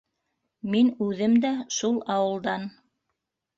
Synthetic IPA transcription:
minʉðɘmd̪æʃulˠɑwɤ̆lˠd̪ɑn

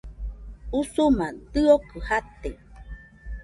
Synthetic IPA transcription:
usumat̪ɨokɨhat̪e

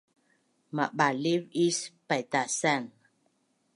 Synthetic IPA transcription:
maɓalivispajt̪asan

